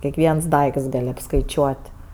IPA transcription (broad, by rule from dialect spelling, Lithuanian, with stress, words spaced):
kʲiɛkˈʋʲiɛns ˈdɐɪkts ˈɡɐlʲ ɐpskɐɪˈt͡ʃʲuɔtʲ